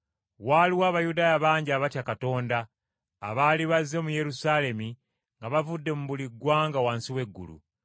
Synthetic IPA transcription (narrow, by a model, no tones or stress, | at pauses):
waliwaːβajudaːjaβaːɲɟiaːβatjakato̞ːnda̰ː | βaːliβazːe̞muje̞ɾusaːle̞mi | ŋɡaβavudːe̞muβuliɡwaːŋɡawaːnsiwe̞ɡːṵlṵ